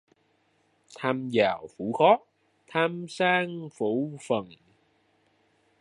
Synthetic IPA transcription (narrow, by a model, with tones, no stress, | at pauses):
t̪ʰaː˧mzaː˨˩wfṵ˧˥xɔ˦˥ | t̪ʰaː˧msaː˧ŋfṵ˧˩fə˨˩ŋ